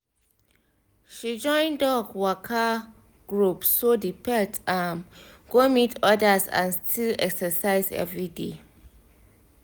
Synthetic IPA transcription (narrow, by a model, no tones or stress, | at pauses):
ʃid͡ʒɔ̃ɪ̃ndɔɡwɔkʰa | ɡ̥ɹupssodipʰɛtãnɡomitʰɔdəsã̰nstʰilɛ̰ksəsaɪzɛ̰vɹidḛ